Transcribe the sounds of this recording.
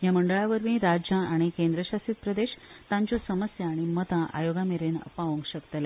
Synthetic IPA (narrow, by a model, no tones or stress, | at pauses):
jaməɳɖəɭaʋəɾmiːɾad͡ʑjãaɽ̃ikend̪ɾəɕasiːt̪̚pɾəd̪eɕt̪ãɲt͡ɕosəməsjaːɽ̃imət̪ãʔa̰joɡameɾeːnə̰pãʋũŋkɕəkt̪əle